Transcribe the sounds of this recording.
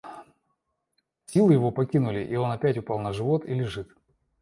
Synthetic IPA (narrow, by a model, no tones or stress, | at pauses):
sʲilˠɨjɪvo̞pɐkʲinʊlʲɪʔio̞nɐpʲætʲʊpɑlˠnəʐɨvo̞t̪ḭlʲɪʐɨt̪